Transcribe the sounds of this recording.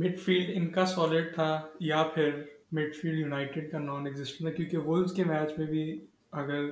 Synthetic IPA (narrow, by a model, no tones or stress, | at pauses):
mɪʈfiːlɖɪnkasɔːlɪɖ̚t̪ʰajapʰɪɾmɪʈfiːlɖjunaːɪʈeɖkanɔːnɛɡzɪsʈə̃ɳt̪ʰakjõːkiʋʊlzkemɛːt͡ʃmẽbʱi | ɐɡəɾ